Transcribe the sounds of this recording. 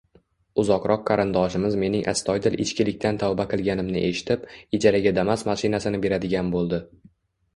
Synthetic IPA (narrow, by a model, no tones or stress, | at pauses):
ʊzɒqɾʔɒqʰːɑɾɪnd̪ɒʃɪmɪzme̞nɪŋʔa̰st̪ʰɒjd̪ɪlʔɪ̰t͡ʃkʲɪlɪk̚ʲt̪ʰant̪ʰɒwbaqʰɨlˠɡʲanɪmnɪʔe̞ʃɪ̥t̪ʰɪped͡ʒaɾaɡʲad̪amasmaʃɪnasɪnɪbe̞ɾad̪ɪɡʲanbolˠd̪ɪ